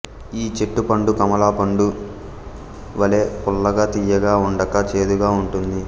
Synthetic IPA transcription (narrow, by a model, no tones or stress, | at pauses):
iːt͡ʃe̞ʈːupɐɳɖukɐmɐlaːpɐɳɖu | ʋɐle̞ːpulːɐɡɐːt̪ijɐɡaːuɳɖɐkɐt͡ʃe̞ːd̪uɡaːuɳʈund̪i